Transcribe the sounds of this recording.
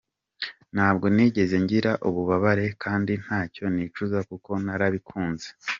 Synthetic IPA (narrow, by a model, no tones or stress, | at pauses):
n̥haːbɡo̞niːɟe̞ze̞ɲɟiɾaʔuβuβaβaɾe̞kʰaːndin̥haːco̞niːt͡ʃuzakuko̞naɾaβikʰuːnze̥